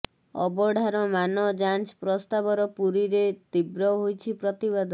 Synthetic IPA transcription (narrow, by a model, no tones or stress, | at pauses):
ɔ̰bɔɖʱaɾɔmanɔd͡ʒant͡ʃpɾɔst̪abɔɾɔpuɾiɾet̪ibɾɔɦojt͡ʃʰipɾɔt̪iβad̪ɔ